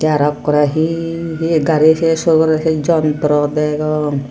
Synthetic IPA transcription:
t̪aɾakːɔɾaɦiɦiɡʱaɾisɛsokɔɾasɛd͡ʒɔnt̪ɾɔd̪ɛɡɔ

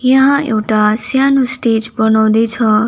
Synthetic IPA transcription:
jəɦãḛwʈasjanũsʈed͡ʒbənɔwd̪et͡ʃʰɔ

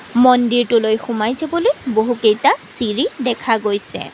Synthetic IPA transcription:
mɔndiɹtʊlojxumajzebɔlojboɦukejtasiɹidɛkʰaɡojsɛ̰

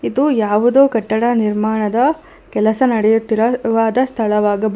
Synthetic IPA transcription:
id̪ujaːʋud̪oːkɐʈːɐɽɐniɾmaːɳɐd̪ɐ | kɛlɐsɐnɐɽɛjut̪ːiɾɐʋaːd̪ɐst̪ʰɐɭɐʋaːɡɐb

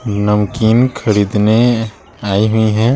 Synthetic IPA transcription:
nəmkiːnkʰəɾiːd̪ne | aːiɦuiɦɛ̃ː

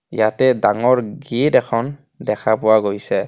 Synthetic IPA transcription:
ijatɛdaŋɔɹɡitɛkʰɔn | dɛkʰapʊwaɡojsɛ

